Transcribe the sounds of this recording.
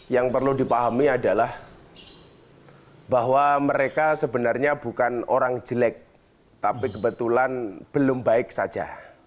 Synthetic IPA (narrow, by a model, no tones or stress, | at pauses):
jaŋpərludipaɦamiadalah | baɦwaməɾekasəbənarɲabukanoɾaŋd͡ʒəlɛk̚ | t̪apikəbət̪ulanb̥əlʊmbaɪk̚sḁd͡ʒa̰